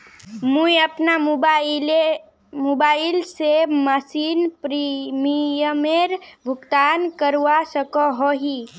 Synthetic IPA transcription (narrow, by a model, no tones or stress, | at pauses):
muiəpnambale | mobailseməsinpɾimijəmeɾbʱuɡt̪ankəɾʋasəkɔɦɔɦi